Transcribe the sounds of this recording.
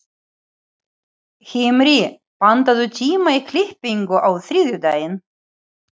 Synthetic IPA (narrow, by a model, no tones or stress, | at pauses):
hɪmɾɪ | pant̪aðʏt̪ʰiːmaikʰlɪhpiŋkʏʔawθɾiːðjʏt̪aːjɪn